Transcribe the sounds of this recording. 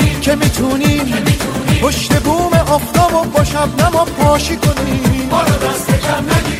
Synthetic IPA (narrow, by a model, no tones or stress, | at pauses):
cʰemiːt̪ʰuːniːmhoʃt̪ebuːmeʔɒːft̪ɒːbobɒːʃæb̚næmɒːpʰɒːʃikʰoniː